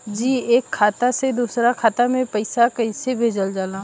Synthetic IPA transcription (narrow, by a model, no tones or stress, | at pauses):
d͡ʒiːeːkʰːaːt̪ased̪uːsɾakʰaːt̪amẽpɐɪsakɐisebʱeːd͡ʒəld͡ʒaːlãː